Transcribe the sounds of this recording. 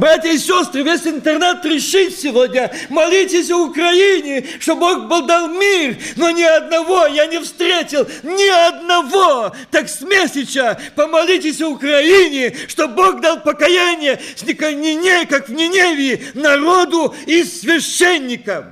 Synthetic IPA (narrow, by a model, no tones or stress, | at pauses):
bɾatʲjəisʲost̪ɾɨvʲesʲɪnt̪ɨrnat̪ɾʲɪʂɨtʲsʲɪvod̪ʲnʲəmɐlʲitʲɪsʲəʊkɾɐinʲɪ | ʂt̪oboxbod̪alˠmʲirnonʲɪɐd̪nɐvojanʲɪfst̪ɾʲetʲɪlˠnʲɪɐd̪nɐvot̪aksʲmʲesʲɪt͡ɕəpəmɐlʲitʲɪsʲəʊkɾɐinʲɪʂt̪oboɡd̪alˠpəkɐjanʲɪjəsʲnʲɪkənʲɪnʲekakvnʲɪnʲevʲɪnɐɾod̪ʊisvʲɪɕːenʲːɪkəm